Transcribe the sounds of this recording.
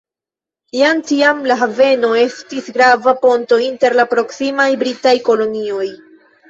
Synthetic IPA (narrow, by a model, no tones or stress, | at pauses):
jantiamlaɦave̞no̞e̞stisɡɾavapo̞nto̞inte̞ɾlapɾo̞ksimajbɾitajko̞lo̞nio̞j